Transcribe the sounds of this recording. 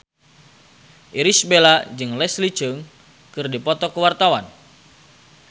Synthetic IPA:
ʔiɾisbelad͡ʒɨŋlɛslit͡ʃɨŋ | kɨrdipɔt̪ɔkəwart̪awan

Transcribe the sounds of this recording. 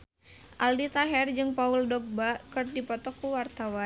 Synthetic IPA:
ʔaldit̪aɦɛrd͡ʒɨŋpauldɔɡ̚bakɨrdipɔt̪ɔkuwart̪awa

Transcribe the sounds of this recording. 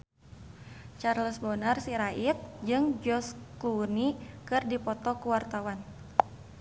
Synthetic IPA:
t͡ʃarləsbɔnarsiɾaʔit̪̚d͡ʒɨŋd͡ʒɔskunikɨrdipɔt̪ɔkuwart̪awan

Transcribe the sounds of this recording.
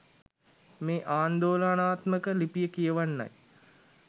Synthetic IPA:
meːʔaːnd̪oːlanaːt̪məkəlipijəkijəʋanːa̰j

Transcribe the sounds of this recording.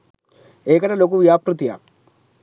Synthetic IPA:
eːkɐnɐlok̬uʋijaːpɾut̪ːija̰

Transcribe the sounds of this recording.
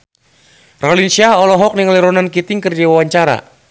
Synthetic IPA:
rɔlinsiaɦɔlɔɦɔk̚niŋliɾɔnankit̪ɪŋkɨrd͡ʒawawaɲt͡ʃaɾa̰

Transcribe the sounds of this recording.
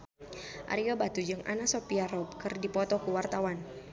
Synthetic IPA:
ʔa̰ɾiɡabat̪ud͡ʒɨŋa̰nasopiaɾɔbkɨrdipɔt̪ɔkuwart̪awan

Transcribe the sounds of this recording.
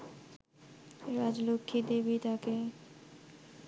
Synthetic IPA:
ɾad͡ʑlokʰːid̪ebit̪ake

